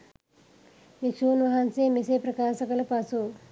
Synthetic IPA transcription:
ʋit͡ʃuːnʋɐɦɐnseːmiseːpɾɐkaːʃɐkɐlɐpɐsu

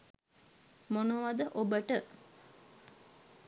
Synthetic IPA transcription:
monəʋad̪əʔobəʈə

